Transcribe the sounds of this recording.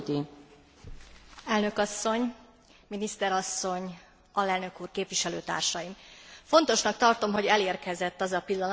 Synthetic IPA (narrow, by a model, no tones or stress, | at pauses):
t̪i | ɛlnø̞kɒsːo̞ɲ | minist̪ɛɾɒsːo̞ɲ | ɒlɛlnø̞kuːrkeːpʋiʃɛløːt̪a̰ːrʃɒjimfo̞n̪t̪o̞ʃnɒk̚t̪ɒrt̪o̞mɦo̞ɟɛleːrkɛzɛt̪ːɒzɒpilːɒn